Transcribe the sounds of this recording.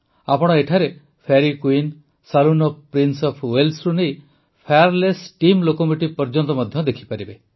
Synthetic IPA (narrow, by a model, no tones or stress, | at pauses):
apɔɽ̃ɔeʈʰaɾe | pʰaɾikuin | salunɔpɾinsɔpʰwelsɾunej | pʰaaɾlesʈimlokɔmuʈipɔɾd͡ʒɔnt̪ɔmɔd̪ʱjɔd̪ekʰi̥paɾibe